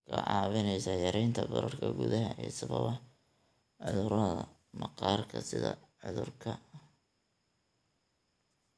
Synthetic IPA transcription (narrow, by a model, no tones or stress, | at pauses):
kʰɐʕɑːβɪnɛjsɐjɐɾɛjnt̪ʰɐbɐɾɐrkʰɐɡʊðɐɦɐʔɛːsɐβɐ̰βɐ | ʕʊðʊɾɐðɐ | mɑqɑːrkʰɐsɪðɐ̰ʕʊðʊrkʰɐ